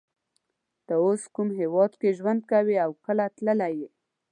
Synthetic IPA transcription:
d̪̥əoskumɦewɑd̪keʒwand̪̚kawiawkəlat̪ləlaje

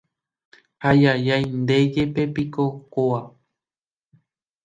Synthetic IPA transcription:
hajajajnd̪ed͡ʒe̞pe̞pikokoa

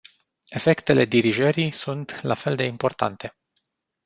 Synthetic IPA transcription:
e̞fe̞kt̪e̞le̞d̪iɾiʒəɾisunt̪lafe̞ld̪e̞impo̞rt̪a̰nt̪e̞

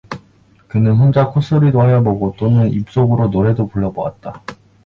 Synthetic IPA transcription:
kɯnɯnɸond͡ʑakʰos͈ɯɾidoɦajʌboɡot͈onɯnip̚s͈oɡɯɾonoɾe̞dopuɭːʌbʌwa̰t̚t͈a

